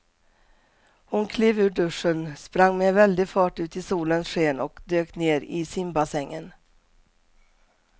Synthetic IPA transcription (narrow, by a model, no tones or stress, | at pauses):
hʊnkʰliːvʉ̟ːɖɵʂːənspɾaŋːmɛvɛld̪ɪɡfɑːʈʉ̟ːt̪ɪsuːlənsʂeːnɔkd̪øːkneːɾɪsɪmbasɛŋːə̰n